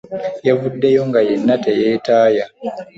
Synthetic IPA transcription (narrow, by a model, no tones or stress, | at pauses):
javudːejoŋɡajenːatejeːtaːja